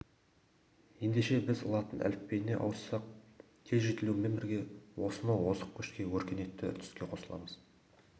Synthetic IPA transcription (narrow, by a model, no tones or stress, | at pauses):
je̞nd̪e̞ʃe̞bɪzʊ̰lˠɑt̪ənʔæ̰lɪppe̞jɪne̞̰ʔɑ̰wəsːɑq̚ | kʲʰe̞lʒet̪ɪlume̞mbɪɾɡʲe̞wo̞sənɑwo̞səq̚kʰʲːɵ̥ʃkʲe̞wɵɾkʲe̞ne̞t̪ːɪʏ̰ɾt̪ʰʏ̥skʲe̞qʰo̞səlˠɑ̰məz̥